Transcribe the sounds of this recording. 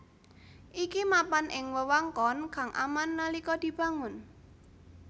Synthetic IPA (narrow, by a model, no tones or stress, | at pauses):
ʔikimapanʔɪŋwəwaŋkɔnka̤ŋʔa̰manːəlikɔd̪̥i̤b̥a̤ŋʊn